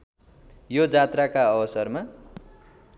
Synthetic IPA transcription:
jod͡zat̪rakaʌbʌsʌrma

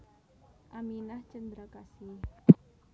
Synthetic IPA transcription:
ʔaminaht͡ʃənd̪ɾakasi

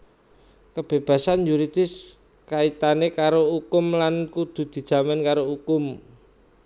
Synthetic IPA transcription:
kəb̥e̤b̥ä̤sanjuɾid̪̥ɪ̤s | kait̪anekaɾoukʊmlankud̪̥ṳd̪̥i̤̥ʒ̥a̤mankaɾoukʊm

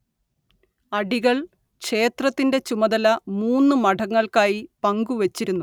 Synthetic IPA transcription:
ɐɖiɣɐɭ | kʂe̞ːt̪rɐt̪ːinde̞t͡ɕumɐðɐlɐmuːnːɨmɐɖʰʱɐŋːɐɭkaːjipɐŋɡuʋet͡ɕːiɾunːu

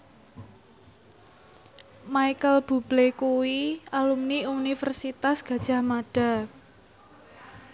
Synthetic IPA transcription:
majkəlb̥ṳb̥lekuwialumniunifərsit̪asɡ̥ä̤d̥ʒ̥a̤hmaɖ̥a̤

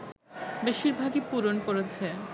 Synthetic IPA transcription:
beʃiɾbʱaɡepuɾonkoɾet͡ɕʰe

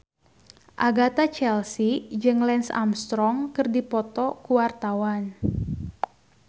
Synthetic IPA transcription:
ʔaɡat̪at͡ʃɛlsid͡ʒɨŋlɛnsa̰mst̪ɾɔŋkɨrdipɔt̪ɔkuwart̪awan

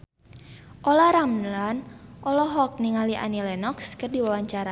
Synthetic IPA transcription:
ʔɔlaɾamlanʔɔlɔɦɔk̚niŋaliʔa̰nilɛnɔkskərdiwawaɲt͡ʃaɾa

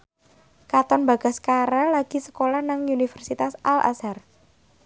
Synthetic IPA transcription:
kat̪ɔnba̤ɡ̥a̤skaɾalaɡ̥i̤sə̥kolahnaŋunifərsit̪asʔalʔa̰sar

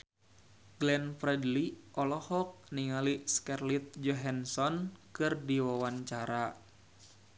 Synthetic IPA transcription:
ɡlɛnfɾɛdliʔɔlɔhɔk̚niŋaliskɛrlit̪̚d͡ʒɔɦansɔnkɨrdiwawaɲt͡ʃaɾa

